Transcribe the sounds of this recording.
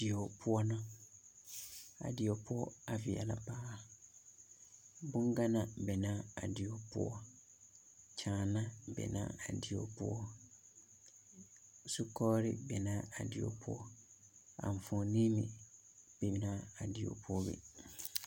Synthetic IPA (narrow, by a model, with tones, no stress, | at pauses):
dɪ˨o˨pʰʊ˦ɔ˦nʊ̃˦ | a̰˨dɪ˨o˨pʰʊ˦ɔ˦a˨vɪ̰˨a̰˨la˦paː˦˨ | bʊ̃˦ŋ˦ɡa˦nã˨bɛ˨nã˦a˨dɪ˨o˨pʰʊ̰˦ɔ˦ | cʰãː˨nã˦bɛ̰˨nã̰˦a˨dɪ˨o̰˨pʊ˦ɔ˦˨ | su˦kʰɔː˦ɾɪ̰˦bɛ˨nã˦a˨dɪ˨o̰˨pʰʊ˦ɔ˦ | a̰˨ɱ̩˨fɔ̃˨nĩ˦mḭ̃˨ | b̥ɛ˨bnã˦a˨dɪ˨o̰˨pʰʊ˦ɔ˦bɛ̰˨